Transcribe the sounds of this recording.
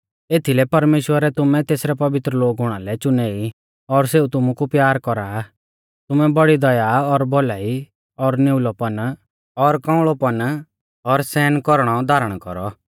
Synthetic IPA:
eːt̪ʰilɛpɐɾmeːʃwəɾɛt̪ʊmɛ̃t̪eːsɾɛpɐʋɪt̪ɾəloːɡɦʊɽ̃alɛt͡ʃʊneːi | ɔɾseut̪ʊmũkupjaːɾkɔɾaː | t̪ʊmɛbɔɽid̪ɐjaɔɾbɔlaːi | ɔɾnɪʊlɔpɐn | ɔɾkãʊ̃ɭɔpɐn | ɔɾsɛːnkɔɾɽ̃ɔd̪aːɾəɽ̃kɔ̰ɾɔ

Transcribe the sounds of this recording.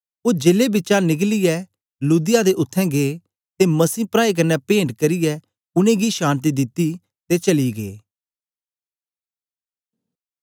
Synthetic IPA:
od͡ʒeːlebɪːt͡ʃanɪkliɛ | luːd̪ɪjad̪eʔʊt̪ʰːɛ̃ɡeː | t̪emɐsiːpɾaːik̬ɐnːɛpẽːɳʈkɐɾijɛ | ʊñẽɡiʃãːnt̪̬id̪ɪt̪ːi | t̪et͡ʃɐliɡḛː

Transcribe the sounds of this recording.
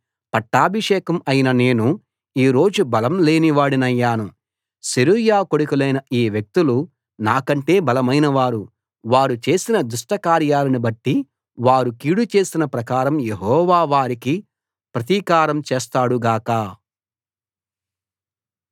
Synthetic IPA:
pɐʈːaːbʱiʂɛːkɐmɐjinɐne̞ːnu | iːɾo̞ːd͡ʒubɐlɐmle̞ːniʋaːɽinɐjːaːnu | seɾujaːkoɽukilɐjnɐiːʋjek̚t̪ulu | naːkɐɳʈe̞ːbɐlɐmɐjnɐʋaːɾu | ʋaːɾut͡ʃe̞ːsinɐd̪uʂʈɐkaːɾjaːlɐnibɐʈːi | ʋaːɾukiːɽut͡ʃe̞ːsinɐpɾɐkaːɾɐmjeɦɔːʋaːʋaːɾiki | pɾɐt̪iːkaːɾɐmt͡ʃeːst̪aːɽuɡaːkaː

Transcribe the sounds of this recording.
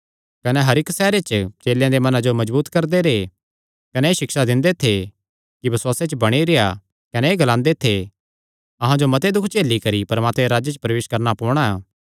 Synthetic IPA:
kɐnɛɦɐɾɪksɛːɾet͡ʃt͡ʃeːljãd̪emɐnãd͡ʒomɐd͡ʒbuːt̪kɐɾd̪eɾe | kɐnɛːʃɪkʃad̪ɪ̃nd̪et̪ʰe | kibɪswaːset͡ʃbɐɽ̃iɾeja̰ | kɐnɛeːɡɐlãːnd̪et̪ʰe | ɐɦãd͡ʒomɐt̪ed̪ʊkʰt͡ʃeːlːikɐɾipɐɾmaːt̪meɾaːd͡ʒet͡ʃəpɾɐʋeːʃkɐɾnapɔːɽ̃aa

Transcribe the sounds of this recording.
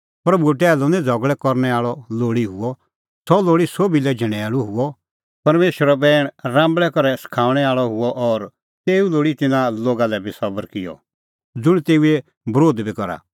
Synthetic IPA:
pɾɐbuɛʈ̬ɛːlɔnɛ̃d͡zʱɔɡɭɛkɔɾñɛaːɭɔloːɽiɦʊɔ | sɔloːɽisoːbilɛd͡ʒʱɛ̃ɽ̃ɛaluɦʊɔ | pɐɾmeːʃwəɾɔbɛːɽ̃ɾãːmbɭɛkɔɾɛskʰaːʋɽ̃ɛaːɭɔɦʊɔʔɔɾ | t̪eːuloːɽit̪ɪnaloːɡalɛbʱisɔbəɾkɪjɔ̰ | d͡zʊɽ̃t̪eːue | bɾoːd̪bʱikɔɾa̰

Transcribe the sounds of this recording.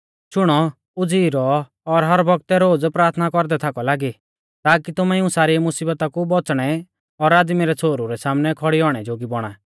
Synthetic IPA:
ʃʊɽ̃ɔ | ʊd͡ziːɾɔː | ɾɦɐɾbʱɔɡ̚t̪ɛɾoːd͡zpɾaːɾt̪ʰnakɔɾd̪ɛt̪ʰakɔlaːɡi | t̪aːkit̪ʊmɛɪũsaːɾiɛmʊsiːbət̪akubɔt͡sɽ̃ɛ | ɔɾaːd̪miɾɛt͡sʰoːɾuɾɛsaːmnɛkʰɔɽiɔɽ̃ɛd͡ʒoːɡibɔɽ̃a̰ː

